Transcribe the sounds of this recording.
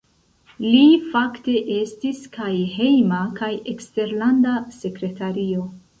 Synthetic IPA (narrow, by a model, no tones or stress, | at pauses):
lifakte̞ʔe̞stiskajɦe̞jmakajekste̞ɾlandase̞kɾe̞taɾio̞